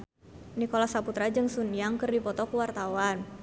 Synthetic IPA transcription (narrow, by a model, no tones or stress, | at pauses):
nikolasaput̪ɾad͡ʒɨŋsunijaŋkərdipɔt̪ɔkuwart̪awan